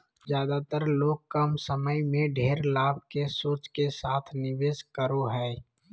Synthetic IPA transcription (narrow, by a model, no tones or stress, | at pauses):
zjaːd̪at̪əɾloːɡ̚kəmsəməjmẽɖʱeːɾlaːb̚ʱkesoːt͡ʃkesaːt̪ʰnɪʋeːskəɾoɦɛː